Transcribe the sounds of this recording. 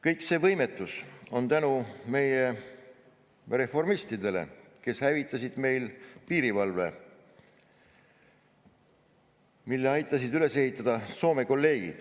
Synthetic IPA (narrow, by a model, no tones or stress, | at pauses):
kɤjkse̞ːvɤjme̞t̪ːˑuso̞nt̪ænume̞je | re̞fo̞rmist̪id̪e̞le̞̰ | ke̞shævit̪ˑːɑsid̪̥me̞jlpiːɾivɑlve̞̰ | milːe̞ɑjt̪ˑːɑsid̪yle̞se̞ɦit̪ːˑɑd̪̥ɑso̞ːme̞ko̞lːe̞ːɡ̥ḭd̪̥